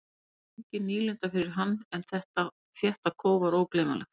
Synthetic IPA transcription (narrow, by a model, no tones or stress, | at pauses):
eɲcɪniːlʏnt̪afɪɾɪɾ̥ɦanːɛnθɛht̪a | θjɛht̪akʰoːwvaɾoːwkleːma̰lɛ̰xt̪